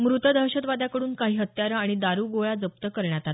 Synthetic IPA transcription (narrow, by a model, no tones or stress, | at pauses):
mɾut̪əd̪ʱəɕət̪ʋad̪ʱakəɽuːnkaɦiːɦət̪jaɾəaɽ̃id̪aɾuːɡoɭad͡zəp̚t̪əkəɾɳjat̪at̪